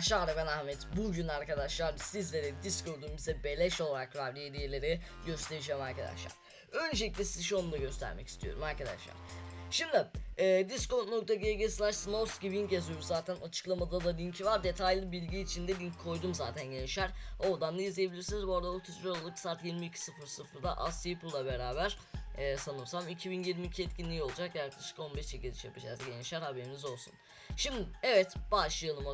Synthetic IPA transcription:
ʃaɾɛbɛnahmɛt̪buɟynaɾkad̪aʃlˠaɾsizlʲeɾɛd̪iskʰoɾd̪yːmizɛbe̞lʲɛʃo̞lˠaɾakɾavɾijed̪ijelʲe̞ɾɛ | ɟø̞st̪ʰʲe̞ɾid͡ʒɛːmaɾkʰad̪a̰ʃlˠa̰ɾ̥ | ø̞nd͡ʒelʲiclʲɛsizʃonund̪aɟø̞st̪ʰæ̰ɾmɛ̰ci̥st̪ʰijo̞̰ɾumaɾkad̪a̰ʃlˠa̰ɾ̥ʃimd̪iːd̪iskot̪nok̚t̪ʰaɟeɟeslʲˠaʃsnosɟivincezyjoɾuzzaːt̪ʰænʔat͡ʃʰɯ̥klˠamad̪ad̪alʲiɲcʰivaɾd̪e̞t̪ʰajlʲˠibilʲɟiːt͡ʃʰind̪ɛlʲiɲcʰːo̞jd̪umzaːt̪ʰænɟeniʃæɾ̥o̞ɾd̪and̪ajizliebilʲiɾsinizbo̞ɾd̪aot̪ʰisɾolˠalˠɯksaːɾt̪jiɾmiːcʰi̥sɯfɯɾsɯfɯɾd̪a̰ʔast̪ipʰɯlˠlːˠabe̞ɾaːbæɾ̥ɛːsanɯmsamicʰibinjiɾmiːcʰiɛt̪̚cʰinʲijo̞lˠud͡ʒakjaɾklˠaʃɯ̥ko̞nbɛʃt͡ʃʰiɟezʲiʃja̰pʰɯd͡ʒa̰zɟeniʃæɾhabeɾinizo̞lˠsṵn | ʃimd̪ɪɛvɛt̪b̥aʃɯjanˠɯma

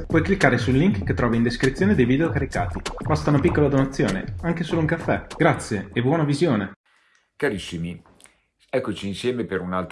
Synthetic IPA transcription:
pwɔjklikːaːɾesulːiŋkkːet̪ːɾɔːvaind̪eskɾit̪sːjoːned̪ejvid̪eokaɾika̰ːt̪ibast̪aunapikːolad̪onat̪sːjoːnḛaŋkesoːlouŋkafːɛɡ̥ɾat̪sːjeːbwɔːnavizjoːne | kaɾisːimi | ɛkːot͡ʃiːnsjɛːmepeɾunalt̪

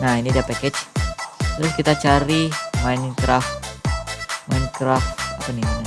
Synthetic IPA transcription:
nahinidiapakɛt͡ʃ | t̪əɾʊskit̪at͡ʃaɾimaɪnkɾaf | majnkɾafapaniaɲa

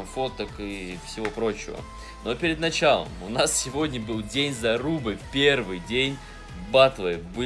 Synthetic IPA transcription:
ɐmfo̞t̪əkɨfsʲɪvo̞pɾo̞t͡ɕɪvə̰ | no̞pʲɪɾʲɪd̪nɐt͡ɕalˠə̰mʊnassʲɪvo̞dʲnʲəbɨlˠdʲenʲzɐɾubɨfpʲe̞rvɨjdʲenʲ | bat̪vˠɨbɨ

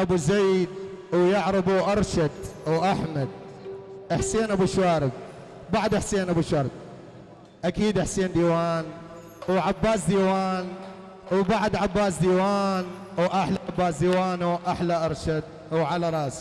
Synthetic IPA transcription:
ʔabuzejd̪wjaʕɾɪbuʔɑɾˤʃad̪wʔaħmad̪̚ | ʔaħsiːnabuʃwaːɾɪb̚ | baʕd̪ʔaħsiːnabuʃɑɾˤb̚ | ʔakiːd̪ʔaħsiːnd̪iːwaːn | wʕabːaːs̬d̪iːwaːn | wbaʕad̪ʕabːaːs̬d̪iːwaːn | wʔaħlaʕabːaːsd̪iːwaːnuʔaħlaʔɑɾˤʃad̪̚ | wʕalaɾˤɑːs

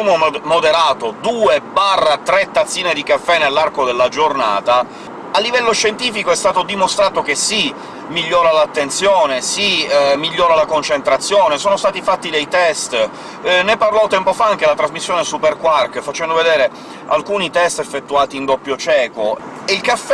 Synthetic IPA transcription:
umomod̪eɾaːt̪od̪uːebarːat̪ɾɛt̪ːat̪sːiːned̪ikafːɛnelːarkod̪elːad͡ʒorna̰ːt̪a | alːivɛlːoʃːent̪iːfikoɛst̪aːt̪od̪imost̪ɾaːt̪ok̟esi | miʎːɔːɾalat̪ːent̪sjoːnesimiʎːɔːɾalakont͡ʃent̪ɾat̪sːjoːnesoːnost̪aːt̪ifat̪ːid̪ejt̪ɛst̪ | neparlɔwt̪ɛmpofaaŋk̟elat̪ɾazmisːjoːnesuperkwarkfat͡ʃɛnd̪oved̪eːɾe | a̰lkuːnit̪ɛst̪efːet̪ːuaːt̪iːnd̪ɔpːjot͡ʃɛːko | eilkafː

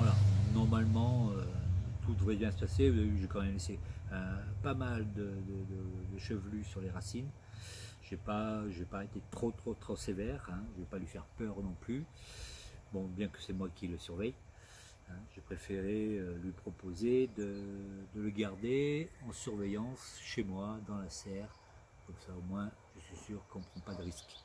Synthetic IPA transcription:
alanɔʁmalmɑ̃øt̪ud̪əvʁɛbjɛ̃sə̥paseyʒekɑ̃mɛmleseɛ̃pamald̪əd̪əd̪əd̪əʃəvlysyʁleʁasin | ʒ̥epaʒɛpaet̪et̪χot̪χot̪χosevɛʁɛ̃ʒəvɛpalɥifɛʁpœʁnɔ̃ply | bɔ̃bjɛ̃kə̥sɛmwakʲiləsyʁvɛj | ɛ̃ʒepχefeʁeølɥipχɔpozed̪əd̪ələɡaʁd̪eɑ̃syʁvejɑ̃sʃemwad̪ɑ̃lasɛːʁ | kɔmsaomwɛ̃ | ʒ̥əsɥisyʁkɔ̃pχɑ̃pad̪əʁisk

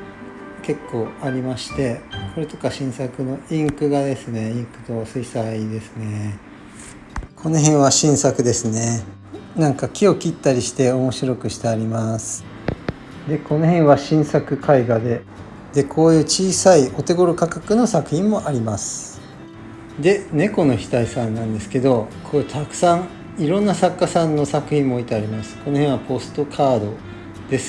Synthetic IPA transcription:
ke̞kːo̞ːaɾʲimaɕi̥t̪e̞kʰo̞ɾe̞t̪o̞kaɕĩɰ̃sakɯno̞ĩŋkɯ̟ɡad̪e̞sɨne̞ĩŋkɯ̟̥t̪o̞sɨisaid̪e̞sɨne̞ | kʰo̞no̞ɦẽ̞ɰ̃βaɕĩɰ̃sakɯ̟d̪e̞sɨne̞ | nãŋkakʲio̞kʲit̪ːaɾʲiɕi̥t̪e̞o̞mo̞ɕiɾo̞kɯ̟ɕi̥t̪eaɾʲimasɨ̥ | d̪e̞ko̞no̞hẽ̞ɰ̃βaɕĩɰ̃sakɯ̟kʰaiɡad̪e̞ | d̪e̞kʰo̞ːjɯ̟ːt͡ɕiːsaio̞t̪e̞ɡo̞ɾokakakɯ̟no̞sakɯ̟çʲĩmːo̞ʔaɾʲimasɨ̥ | d̪e̞ne̞ko̞no̞çʲi̥t̪aisãnːãnd̪e̞sɨ̥ke̞d̪o̞kʰoːt̪ʰakɯ̟̥sãŋ | iɾõ̞nːasakːasãnːo̞sakɯ̟çĩmːo̞ːit̪e̞aɾʲimasɨ̥kono̞hẽ̞ɰ̃βapo̞sɨ̥t̪o̞kʰaːd̪o̞ | d̪̥e̞sɨ̥

